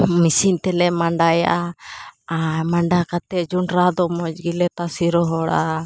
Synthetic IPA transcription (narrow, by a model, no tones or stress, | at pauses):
misiɲt̪ɛlɛmaɳɖaja̰ʔa | amaɳɖakat̪ɛd͡ʒuɳɾad̪ɔmɔd͡ʒɡilɛt̪asiɾɔɦɔɽa